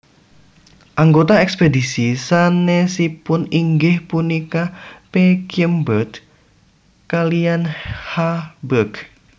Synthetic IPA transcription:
ʔaŋɡot̪aɛkspedisisanesipʊniŋɡɪhpunikapekimbət̪ | kalijanhabək

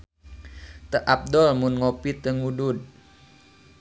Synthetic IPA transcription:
t̪əʔap̚dɔlmʊnŋopit̪əŋudud̪̚

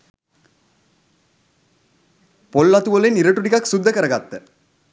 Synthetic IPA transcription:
polːɐt̪uʋɐliniɾɐʈuʈikɐksud̪ʱːəkəɾɐɡat̪ːə

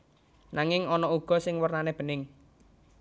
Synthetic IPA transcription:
naŋɪŋɔnɔuɡ̥ɔ̤sɪŋwərnaneb̥ə̤nɪŋ

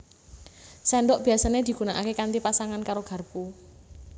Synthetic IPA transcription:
sɛnɖɔʔb̥i̤asaned̪̥i̤ɡ̥ṳnaʔa̰kekant̪ipasaŋankaɾoɡ̥a̤rpu

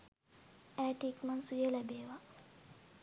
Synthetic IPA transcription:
æːʈikmansujelɛbeːʋa

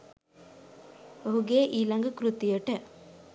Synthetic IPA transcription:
oɦuɡeːʔiːlɐŋɡəkɾut̪ijəʈə

